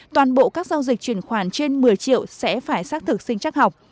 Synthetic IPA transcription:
t̪waː˨˩nɓo̰˧˨kaː˦˥k̚zaː˧wzï˨˩k̚t͡ɕwi˧˩ənxwaː˧˩nt͡ɕe˧nmɨ˨˩əjt͡ɕḭ˧˨əwsɛ̰˧˥faː˧˩jsaː˦˥k̚t̪ʰɨ˨˩k̚sï˧ŋ̟t͡ɕaː˦˥k̚ha˨˩wk͡p̚

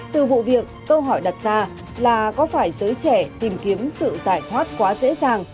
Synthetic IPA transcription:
t̪ɨ˨˩vṵ˧˨vi˨˩əkːə˧wɦɔ˧˩jɗa˨˩t̚z̥aː˧ | laː˨˩kɔ˨˦faː˧˩jzəː˨˦jt͡ɕɛ˧˩t̪i˨˩mki˨˦əmsɨ̰˧˨zaː˧˩jt̪ʰwaː˦˥t̚kwaː˨˦zḛ˧˥zaː˨˩ŋ

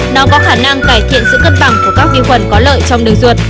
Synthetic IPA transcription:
nɔ˨˦kɔ˨˦xaː˧˩na˧ŋkaː˧˩jt̪ʰḭ˧˨ənsɨ̰˧˨kə˦˥t̚ɓa˧˩ŋku˧˩əkaː˦˥k̚vi˧xwə˨˩nkɔ˨˦lə̰ː˧˨jt͡ɕɔ˧wŋ͡mɗɨ˨˩əŋzu˨˩ət̚

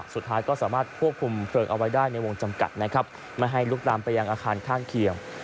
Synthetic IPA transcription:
su˨˩t̪ʰːaː˦˥jkɔː˥˩saː˩˦maː˥˩t̪̚kʰu˥˩əp̚kʰu˧mpʰɾɤː˧˩ŋʔa˧wa˦˥jdaː˥˩jna˧jwo˧ŋt͡ɕa˧mka̰˨˩t̪̚na˦˥kʰa˦˥p̚ | maː˧˩ɦa˥˩jlu˦˥k̚laː˧mpa˧jːa˧ŋʔaː˧kʰaː˧nkʰaː˥˩ŋkʰi˧əŋ

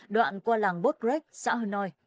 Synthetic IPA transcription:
ɗwa̰ː˧˨nkwaː˧laː˨˩ŋɓo˦˥t̚zɛ˦˥k̚sa̰ː˧˥ɦəː˧nɔ˧j

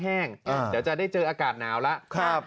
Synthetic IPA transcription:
ɦɛː˥˩ŋa˩diː˦˥wt͡ɕa˨˩ʔdaː˥˩jt͡ɕɤː˧ʔaː˧kaː˨˩t̪̚naː˩˦˥wla˦˥ʔkʰa˦˥˩

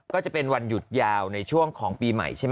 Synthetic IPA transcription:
kɔː˥˩t͡ɕa˨˩pe˧nwa˧nju˨˩t̪̚jaː˧wna˧jt͡ɕʰu˥˩əŋkʰɔː˩˦ŋpiː˧ma̰˨˩jt͡ɕʰa˥˩m

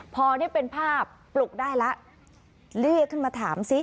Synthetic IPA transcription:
pʰɔː˧ni˥˩ɐpe˧npʰaː˥˩pːlu˨˩k̚daː˥˩jla˦˥ʔ | lɯ˥˩əkʰːɯ˥˩nmaː˧t̪ʰaː˩˦msi˦˥

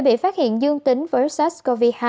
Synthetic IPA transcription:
ɓḭ˧˨faː˦˥t̚hḭ˧˨ənzɨ˧əŋt̪ï˨˦ŋ̟vəː˨˦jsɛ˦˥sko˧vi˧haː˧

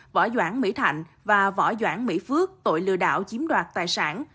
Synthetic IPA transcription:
vɔ̰˧˥˩zwaː˧˩nmḭ˧˥t̪ʰa˧˨jŋ̟ | vaː˨˩vɔ̰˧˩zwaː˧˩nmḭ˧˥fɨ˦˥ək̚t̪o̰˧˨jlɨ̰˧əɗa̰ː˧˨wt͡ɕi˨˦əmɗwaː˨˩t̚t̪aː˨˩jsaː˧˩n

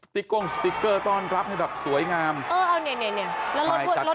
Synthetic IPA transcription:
t̪i˦˥kːo˧˩˨ŋsp̪i˦˥kːɤː˧˩t̪ɔː˧˥˩nɾa˦˥p̚ha˥˩jbɛː˨˩p̚su˩˦əjŋaː˧mʔɤː˧ʔa˧wni˧˩nɛ˧˩˨ni˧˩lɛː˦˥lmː˥˧t͡ɕa˨˩lo˦˥

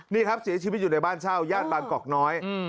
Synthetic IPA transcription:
niː˥˩kʰa˦˥p̚si˨˩˦t͡ɕʰi˧˦˥t̪̚juː˨˩na˧jbaː˥˩nsʰaː˥˩wjaː˥˩t̪̚baː˧ŋkɔː˨˩k̚nɔː˦˥j

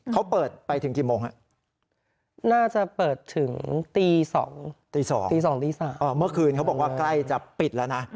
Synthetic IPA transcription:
kʰa˦˥wpɤː˨˩t̪̚pa˧jt̪ʰɯ˩˦ŋkiː˨˩moː˧ŋha˦˥˩ | naː˥˩t͡ɕa˨˩pɤː˨˩t̪ʰːɯ˨˩˦ŋt̪iː˧sɔ̰ː˩˦ŋt̪iː˧sɔ̰ː˩˦ŋt̪iː˧s̬ɔː˩˦ŋt̪iː˧saː˩˦mː˧˩mːɯ˥˩ɐkʰɯː˧nkʰa˦˥wbɔː˨˩k̚waː˥˩kla˥˩jt͡ɕa˨˩pi˨˩t̪̚lɛː˦˥wna˦˥

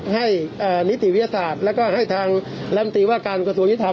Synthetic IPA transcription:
ha˥˩jʔaː˨˩ni˦˥t̪ʰːi˨˩wi˦˥t̪ʰja˧saː˨˩t̪̚lɛː˦˥wkɔː˥˩ɦa˥˩jt̪ʰaː˧ŋ | lɛ˧˦˥mt̪iː˧˩waː˥˩kaː˧nka˧su˧əŋi˦˥t̪ʰː

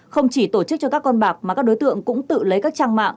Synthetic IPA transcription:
xə˧wŋ͡mt͡ɕi˧˩t̪o˧˩t͡ɕɨ˦˥k̚t͡ɕɔ˧kaː˦˥kːɔ˧nɓaː˨˩k̚maː˨˩kaː˦˥k̚ɗo˨˦jt̪ɨ̰˧˨əŋkʊ̰˧˥ŋ͡mt̪ɨ̰˧˨lə˨˦jkaː˦˥k̚t͡ɕaː˧ŋma̰ː˧˨ŋʔ

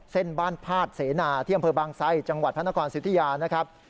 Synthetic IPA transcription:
se˥˩nbaː˥˩npʰaː˥˩t̪̚seː˩˦naː˧t̪ʰi˥˩˨a˧mpʰɤː˧baː˧ŋsa˦˥˩jt͡ɕa˧ŋwa˨˩t̪̚pʰa˥˩na˥kʰɔː˧nsi˨˦˥t̪ʰi˧jaː˧na˦˥kʰɾa˦˥p̚

